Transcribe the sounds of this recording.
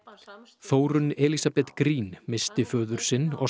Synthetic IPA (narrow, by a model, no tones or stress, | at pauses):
θoːwɾʏnɛːlisapɛt̪kɾiːnmɪst̪ɪfœːðʏɾ̥sɪnːɔ̰ɣ